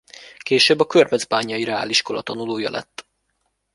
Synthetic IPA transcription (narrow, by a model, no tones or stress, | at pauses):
keːʃøːbːɒkørvɛzbaːɲːɒjiɾɛa̰ːliʃko̞lɒt̪ɒnuloːjɒ̰lʔɛ̰t̪ː